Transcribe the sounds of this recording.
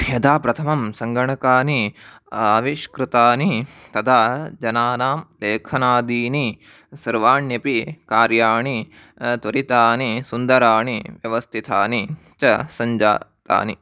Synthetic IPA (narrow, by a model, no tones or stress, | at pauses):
bʱjɐd̪aːpɾɐt̪ʰɐmɐmsɐŋɡɐɳɐkaːni | aːʋiʃkɾɨt̪aːnit̪ɐd̪ʱaːd͡ʒɐnaːnaːmleːkʰɐnaːd̪iːni | sɐɾʋaːɳjɐpikaːɾjaːɳi | t̪ʋɐɾit̪aːnisund̪ɐɾaːɳiʋjɐʋɐst̪ʰit̪ʰaːni | t͡ʃɐsɐɲd͡ʒa̰ːt̪a̰ːni